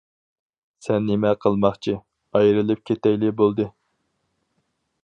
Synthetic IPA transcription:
sɛnːemɛqʰəlˠmɑχt͡ʃʰi | ɑjɾɨlˠɨp̚kʲʰet̪ɛjlɪbolˠd̪ɨ

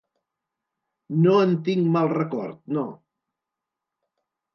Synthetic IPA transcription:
noənt̪iŋmalˠrəkɔ̰ɾt̪̚no

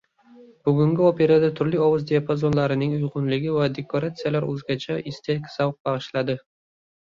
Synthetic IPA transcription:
b̥ʊɡʊŋɡʲɪope̞ɾad̪at̪ʰʊɾlɪɒvʊzd̪eapʰazo̞nlaɾɪnɪŋʊjqʊnlɪɡʲɪvad̪e̞kʰoɾat̪sɨjalaɾɵzɡʲat͡ʃʰaʔɪst̪ʰekʲsavq̚bɑʁɨʃlad̪ɪ

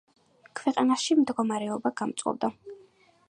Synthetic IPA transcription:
kʰvɛqʼanaʃimd̪ɡɔmaɾɛɔbaɡ̥amt̪sʼɔ̰bd̪a

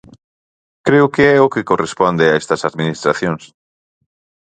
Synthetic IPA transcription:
kɾeʊkeɛokɪkorespɔnd̪ɪaɛst̪ɐsaðminist̪ɾaθjoŋs

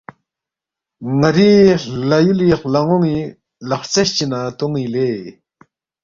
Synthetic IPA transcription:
ŋərilajuliχlaŋoŋi | laχht͡salht͡ɕənat̪oŋwile

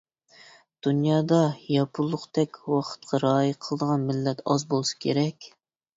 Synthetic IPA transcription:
d̪̥unjɑːd̪ɑjɑpʰulˠːʊqt̪ʰɛkʲwɑqʰə̥t̪̚qʰɑɾɑːjɨqʰəlˠəd̪əʁɑnmɪlːɛt̪ɑzbolˠɨsɑ̥kʲʰeɾɛkʲ

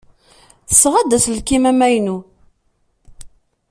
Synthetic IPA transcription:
θəsːʁad̪æslkːimæmæjnu

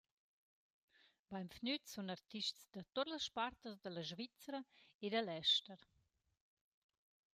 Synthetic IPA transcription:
bajmfnytsunart̪iʃtsd̪ɐt̪otləsʃpart̪əsd̪əlɐʒvit͡sɾɐed̪əlɛʃtəɾ

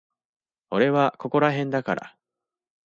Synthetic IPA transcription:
o̞ɾe̞βako̞ko̞ɾaɦẽ̞nd̪akaɾa̰

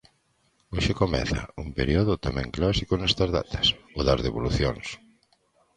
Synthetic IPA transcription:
oʃekomɛ̰θɐ̰umpeɾioðʊt̪amɛ̰̃ŋklasikonɛst̪ɐzða̰t̪ʰɐ̥soðazðeβoluθjo̰ŋs

